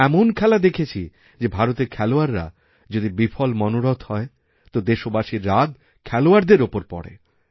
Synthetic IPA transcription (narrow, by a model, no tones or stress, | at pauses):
ɛmonkʰɛlad̪ekʰet͡ɕʰi | d͡ʑebʱaɾot̪eɾkʰɛloaɾːa̰ | d͡ʑod̪ibifʰɔlmɔnoɾot̪hɔe | t̪od̪eʃobaʃiɾːad̪ | kʰɛloaɾd̪eɾopoɾpɔ̰ɽḛ